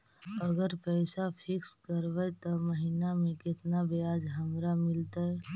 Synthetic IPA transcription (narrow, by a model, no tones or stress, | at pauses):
əɡəɾpɛːsapʰɪkskəɾʋəjt̪oməɦinamẽkɪt̪nabejaːd͡ʒɦəmɾamɪlt̪aɦɛ